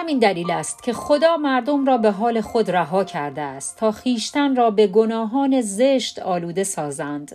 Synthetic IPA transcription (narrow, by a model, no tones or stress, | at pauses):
hæmiːnd̪æliːlæst̪̚cʲʰe̞xo̞d̪ɒːmæɾd̪o̞mrɒːbe̞ɦɒːle̞xo̞d̪ræɦɒːcʰæɾd̪eæst̪ʰːɒːxiːʃt̪ænrɒːbe̞ɡo̞nɒːɦɒːne̞zeʃt̪ɒːluːd̪e̞sɒːzænd̪̥